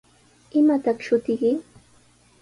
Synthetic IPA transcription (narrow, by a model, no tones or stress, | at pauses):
ɪmat̪ɑχʃʊt̪ɪkɪ